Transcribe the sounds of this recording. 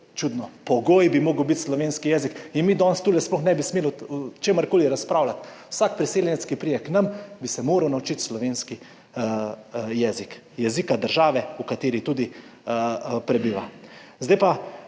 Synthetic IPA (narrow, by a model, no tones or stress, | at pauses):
t͡ʃud̪nɔpɔɡoːjbimoːɡəwbit̪slɔʋeːnskijɛːzikinmiːd̪ɔːnst̪ulɛsplɔxnɛːbismeːlut͡ʃeːməɾkoːliɾaspɾaːwlat̪wsakpɾiseːljɛnɛt̪skipɾijɛknambisɛmoːɾɐwnawut͡ʃit̪slɔʋeːnski | jɛːzik | jɛzikad̪əɾʒaːʋɛukat̪eːɾit̪uːd̪i | pɾɛbiːʋa̰zd̪ajpa